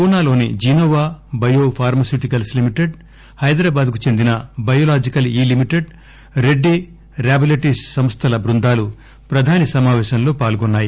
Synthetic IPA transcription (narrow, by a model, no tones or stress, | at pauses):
punaːlo̞ːnḭd͡ʒiːnoːʋaːbɐjoːpʰaːɾmɐsjuːʈikɐlslimiʈeɖ | hɐjd̪ɾaːbaːd̪̚kut͡ʃe̞nd̪inɐbɐjoːlaːd͡ʒikɐliːlimiʈeɖ | ɾe̞ɖːi | ɾjaːbilɐʈiːssɐmst̪ʰɐlɐbɾund̪aːlu | pɾɐd̪ʱaːnisɐmaːʋɛːʃɐnlo̞ːpaːlɡɔnːaːji